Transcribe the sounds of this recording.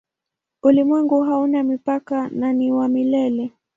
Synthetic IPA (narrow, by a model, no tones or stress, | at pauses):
ulimwɛŋɡuɦaunamipakananiwamilɛlɛ